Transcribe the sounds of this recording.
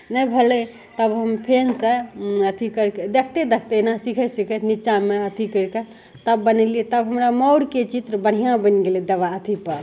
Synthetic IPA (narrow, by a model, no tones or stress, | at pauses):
nəjbʱəle | t̪əbɦəmpʰensəət̪ʰikəɾked̪ekʰt̪ed̪ekʰt̪enasikʰəsikʰət̪ʰnit͡ʃameət̪ʰikəɾke | t̪əbːənəliet̪əbɦəmɾamɔʊɽket͡ʃit̪ɾəbəɽ̤ijãbənɡelid̪əʋaət̪ʰipəɾ